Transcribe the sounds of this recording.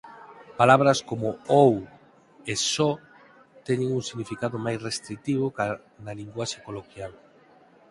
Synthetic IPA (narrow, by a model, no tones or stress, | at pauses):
palaβ̞ɾɐskomoow | esɔ | t̪ɛɲeŋuŋsiɣnifikaðomajsrest̪ɾik̚t̪iβ̞oka | nɐliŋɡwaʃekolokjal